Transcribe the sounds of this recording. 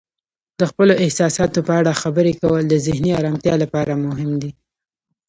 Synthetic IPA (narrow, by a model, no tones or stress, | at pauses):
d̪əxpəloɪhsɑsɑt̪opəaɽaxabəɾekawəld̪əzɪhniɑɾɑmt̪jɑlapɑɾamʊɦɪmd̪i